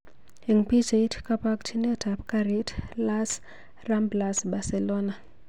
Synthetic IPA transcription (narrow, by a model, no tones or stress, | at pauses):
iŋpid͡ʒeitkapaktʰinɛtʰapkaɾitlas | ramblasbaselona